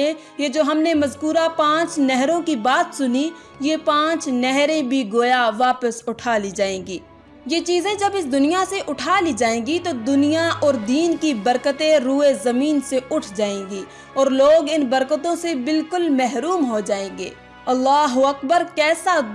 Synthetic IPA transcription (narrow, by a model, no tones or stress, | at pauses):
ẽ | jed͡ʒoːɦɐmnemɐzkuːɾapãːt͡ʃnɛɦɾõkibaːt̪sʊni | jepãːt͡ʃnɛɦɾẽbʱiɡoːjaʋaːpəsʊʈʰaːlid͡ʒaːẽːɡiː | jet͡ʃiːzẽd͡ʒɐbɪsd̪ʊnijaseʔʊʈʰaːlid͡ʒaːẽːɡit̪od̪ʊnijaɔːɾd̪iːnkibɐɾkət̪ẽɾuːezɐmiːnseʊʈʰd͡ʒaːẽːɡiː | ɔːɾloːɡɪnbɐɾkət̪õsebɪlkʊlmɛɦɾuːmɦod͡ʒaːẽːɡḛː | ɐlːaːɦʊɐk̚bəɾkɛːsa